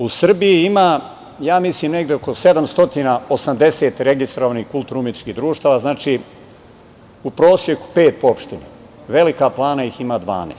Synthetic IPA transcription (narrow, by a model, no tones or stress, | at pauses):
usr̩bijiima | jaːmisliːmne̞ɡd̪eoko̞se̞d̪amst̪o̞t̪inaosamd̪e̞seːt̪ɾe̞ɡist̪ɾoʋanihkulˠt̪uɾumit̪t͡ʃkiɦd̪ɾuːʃt̪aːʋaznaːt͡ʃi | upɾo̞ːsje̞ku̥pe̞ːt̪̚poopʃt̪ine | ʋe̞likaplˠaːnaiximaːd̪ʋa̰ːneːs